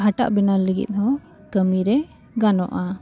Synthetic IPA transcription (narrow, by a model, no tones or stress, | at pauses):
ɦaʈa̰ʔbɛnaləɡḭt̪̚ˀɔ | kəmiɾɛ | ɡanɔʔa